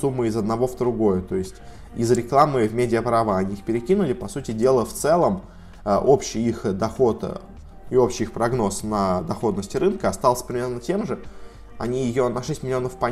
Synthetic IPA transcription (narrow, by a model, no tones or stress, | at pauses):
sumːɨɪzəd̪nɐvo̞vd̪ɾʊɡo̞jʊt̪o̞ɪsʲtʲ | ɪzɾʲɪklˠamɨvmʲedʲɪəpɾavəɐnʲiixpʲɪɾʲɪkʲinʊlʲɪpɐsutʲɪdʲe̞lˠəft̪sɛlˠəm | əʔo̞pɕɪjixd̪ɐxo̞t̪ | ɪo̞pɕɪjixpɾɐɡno̞snəd̪ɐxo̞d̪nəsʲtʲɪɾɨnkəɐst̪alˠəsʲəpəɾʲɪmʲe̞rnətʲe̞mʐɨ | ɐ̰nʲijɪjo̞nɐʂɛsʲtʲmʲɪlʲɪo̞nəfpɐ